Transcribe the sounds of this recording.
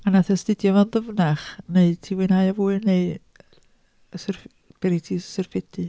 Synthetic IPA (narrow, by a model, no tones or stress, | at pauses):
anaθɛstɪdjɔvanðəvnaχneɨdtʰiːwɨnajavuːɨneɨ | əsərf | b̥ɛɾitʰiːsɪrfɪdɨ